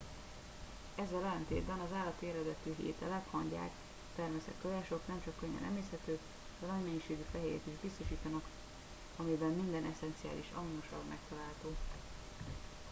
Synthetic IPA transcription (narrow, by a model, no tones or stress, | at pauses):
ɛzːɛlɛlɛnt̪eːd̪bɛnɒzaːlːɒt̪eːɾɛd̪ɛt̪yːɦḛːt̪ɛlɛkhɒɲɟa̰ːk | t̪ɛrmɛsɛ̰t̪køjɛːʃo̞knɛmt͡ʃɒkːøɲːɛ̰nʔɛ̰meːshɛt̪øː | d̪ɛnɒɟmɛjiʃeːɡyfɛɦeːɾḛt̪iʒbist̪o̞ʃiːt̪ɒnɒk | ɒmibɛmːind̪ɛnɛsɛnt̪sija̰ːlḭʃɒ̰mnuʃɒbmʔɛ̰k̚t̪ɒlaːlt̪oː